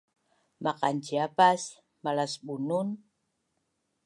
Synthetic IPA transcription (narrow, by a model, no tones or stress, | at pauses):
maqant͡ʃiapas | malasbunun